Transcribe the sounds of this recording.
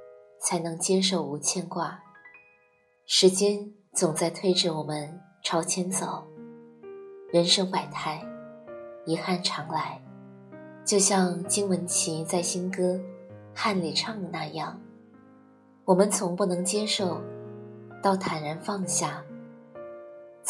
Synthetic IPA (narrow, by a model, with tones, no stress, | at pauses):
t͡sʰa˧˥ɪnɤ˧˥ŋt͡ɕjɛ˥ʂo˥˩ʊu˧˥t͡ɕʰjɛ˥˧nkwa˥˩ | ʂɻ̩˧˥t͡ɕjɛ˥n | t͡sʊ˨˩ŋt͡sa˥˧ɪt̪ʰwe˥ɪʈ͡ʂɻ̩˥˩wɔ˨˩mə˦n | ʈ͡ʂʰɑ˥ʊt͡ɕʰjɛ˥nt͡so˨˩˦ʊ | ɻə˧˥nʂɤ˥ŋpa˨˩ɪt̪ʰa˥˩ɪ | i˧˥xa˥˩nʈ͡ʂʰɑ˧˥ŋla˧˥ɪ | t͡ɕjo˥˧ʊɕjɑ˥˧ŋt͡ɕi˥ŋwə˧˥nt͡ɕʰi˧˥t͡sa˥˩ɪɕi˥nkɤ˥xa˥˩nli˨˩ʈ͡ʂʰɑ˥˩ŋ˧˩na˥˧jɑ˥˩ŋ | wɔ˨˩mə˦nt͡sʰʊ˧˥ŋpu˥˩nɤ˧˥ŋt͡ɕjɛ˥ʂo˥˩ʊ | t̪ɑ˥˩ʊt̪ʰa˨˩nɻə˧˥nfɑ˥˧ŋɕja˥˩